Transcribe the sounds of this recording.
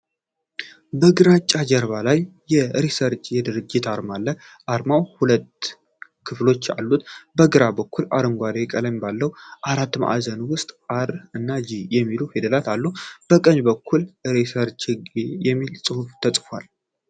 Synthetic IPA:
bəɡɨɾat͡ʃʼːad͡ʒəɾβalajː | ɛɾesəɾt͡ʃʼjɛd̪ɨɾɨd͡ʒːɪt̪aɾmalːə | ʔaɾmawhulət̪ | kʰɨflo̞t͡ʃːa̰lːut̪bəɡɨɾabəkʰːula̰ɾɨŋɡʷaɾekʼələmbalːəwʔaɾat̪ːma̰ʔa̰zənwʊst̪ʼaɾɨnːad͡ʒijɛmːiluhed̪əlat̪alːub̥əkʼəɲbəkʰːulɾesəɾt͡ʃʼɨɡijɛmːilsʼɨhuft̪ʰəsʼfa̰l

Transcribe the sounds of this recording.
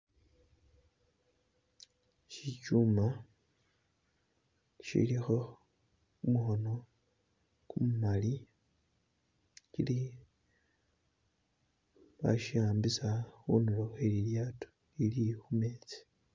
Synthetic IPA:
ʃit͡ʃuma | ʃḭlixo̞ | umuxo̞no̞ | kumumali | cili | βa̰ʃiaːmbisaxunuloxeliljaːto̥ | ilixumeːt͡si̥

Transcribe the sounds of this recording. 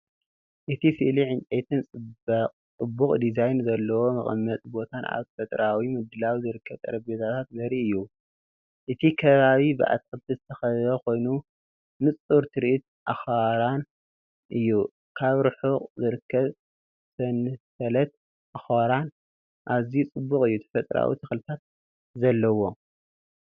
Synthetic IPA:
ʔɨt̪ʰisɨʔliʕɨnt͡ʃʼet̪ʰɨnt͡sʼɨ | t͡sʼɨbːukʼd̪izajnzɐlːɐwo̞mɐ̰χʼɨmːɐt̪ʼbo̞t̪ʰanʔa̰βfɐt̪ʼɾawimɨd̪ɨlawizɨɾɨkʰːɐβt̪ʼɐ̰ɾɐbet̪ʰat̪ʰat̪ɡɐɾiʔɨjːu | ʔɨt̪ʰikʰɐβaβibɨʔa̰t̪̚ʼkʼɨlt̪ʰizɨt̪ʰɐxɐzɐko̞jnu | nɨt͡sʼuɾt̪ʰɨɾiʔit̪̚ | ʔaxaɾan | ʔɨjːu | kʰaβɾɨħuqʼzɨɾɨkʰːɐβ | sɐnɨsɐlɐt̪̚ | ʔaxaɾan | ʔaβzit͡sʼɨbːukʼɨjːut̪ʰɐ̥fɐt̪ʼɾa̰wḭt̪ʰɨxlɨt̪ʰat̪̚ | zɐlːɐwo̞

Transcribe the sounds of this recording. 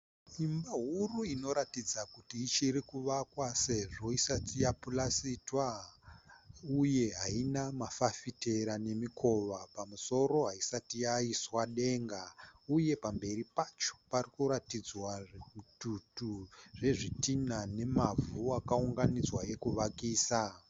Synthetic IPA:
imbaɦuruino̞ɾatid͡zakutiːt͡ʃirikuʋakwase̞ʐo̞isatijapulasitwa | uje̞ɦainamafafite̞ɾane̞mikʰo̞ʋapamuso̞ɾo̞ɦaisatijaiswaɗe̞ŋɡauje̞pambe̞ɾipat͡ʃo̥parikuɾatid͡zwaʐeututuʐe̞ʐitinane̞mavuakauŋɡanid͡zwaje̞kuʋakiːsa

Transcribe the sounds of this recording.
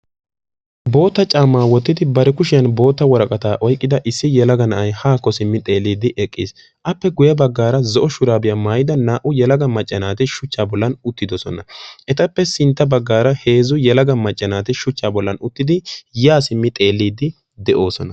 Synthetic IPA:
bo̞ːt̪ːɐt͡ʃʼaːmːaːwɔt̪ːɪd̪ɪbɐɾɛkʊʃɪjɐnbo̞ːt̪ːɐwɔɾɐkʼɐt̪aːʔɔjkʼːɪd̪ɐʔɪsːɪjɛlɐɡɐnɐʔɐjhaːkːɔsɪmːɪt̪ʼe̞ːlːiːd̪ɪʔɛkʼːḭːs | ʔɐpːɛɡʊjɐbɐɡːaːɾɐzɔʔɔʃʊɾaːbɪjɐmaːjɪd̪ɐnaːʔʊjɛlɐɡɐmɐt͡ʃʼːɐnaːt̪ɪʃʊt͡ʃːaːbɔlːɐnʊt̪ːɪd̪ɔsɔnɐʔɛt̪ɐpːɛsɪnt̪ːɐbɐɡːaːɾɐhe̞ːzʊjɛlɐɡɐmɐt͡ʃʼːɐnaːt̪ɪʃʊt͡ʃːaːbɔlːɐnʊt̪ːɪd̪ɪjaːsɪmːɪt̪ʼe̞ːlːiːd̪ːɪ | d̪ɛʔo̞ːsɔnɐ

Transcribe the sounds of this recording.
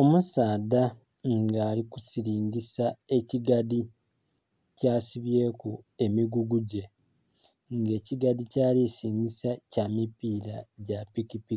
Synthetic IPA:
o̞musaːda | ŋɡaːliku̥siɾiːɲɟisae̞ciɡadi | caːsiβje̞ːkue̞miɡuɡuɟe̞ | ŋɡe̞ːciɡadicaːlisiːɲɡisacamipiːɾaɟapikipi

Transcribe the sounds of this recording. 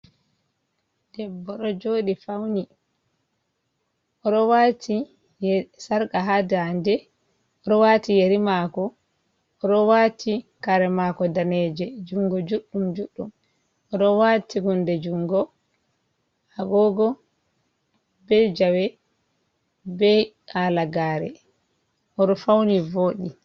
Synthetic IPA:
d̥ɛbːɔɗɔd͡ʒoːɗifawni | ʔɔɗɔwatʰi | jsaɾkaɦadandɛ | ɔɗɔwatijeɾimakɔ | ɔɗɔwatʰikaɾɛmakɔdanɛd͡ʒɛd͡ʒuŋɡɔd͡ʒuɗːumd͡ʒuɗːum | ɔɗɔwatʰiɡundɛd͡ʒuŋɡɔ | aɡɔːɡɔ | bɛd͡ʒawɛ | bɛ | aːlaɡaːɾɛ̰ | ʔɔɗɔfawnivoːɗi

